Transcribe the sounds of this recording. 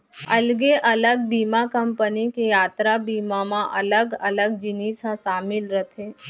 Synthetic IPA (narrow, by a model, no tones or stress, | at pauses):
ɐlɡeʔɐləɡ̚biːmakəmpənikejaːt̪ɾabiːmamãʔɐ̰ləɡɐləɡd͡ʒɪniːsãsaːmɪlɾət̪ʰeː